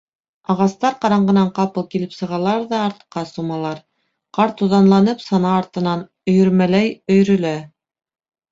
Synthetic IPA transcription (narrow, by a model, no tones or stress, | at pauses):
ɑʁɑst̪ɑɾqɑɾɑɴɢɤ̆nɑɴqɑpɤlˠkilɘpsɤ̆ʁɑlˠɑɾðɑːɾt̪ɤ̥̆qːɑsumɑlˠɑɾ | qɑɾt̪uðɑnlˠɑnɤpsɑnɑːɾt̪ɤ̆nɑn | ɵ̆jɵ̆ɾmælæjɵ̆jɾɵ̆læ